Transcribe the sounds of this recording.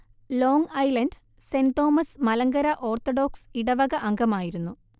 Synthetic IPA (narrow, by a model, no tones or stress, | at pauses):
lo̞ːŋɐjlɐnɖ | send̪o̞ːmɐsmɐlɐŋɡɐɾɐʔo̞ːrt̪oɽoːksiɽɐʋɐɣɐʔɐŋɡɐmaːjiɾunːu